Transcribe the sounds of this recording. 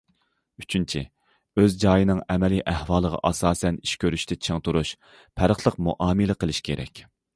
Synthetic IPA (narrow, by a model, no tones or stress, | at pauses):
yt͡ʃʰynt͡ʃʰḭ | øzd͡ʒɑːjinɨŋɛmɛliʔæhwɑːlˠəʁɑ̰ʔɑsɑːsɛniʃkʲʰøɾyʃt̪ʰɪt͡ʃʰəŋt̪uɾuʃ | pʰæɾəχlˠəqmṵʔɑːmɨlɨqəlˠɪʃkʲʰeɾɛ̰kʲ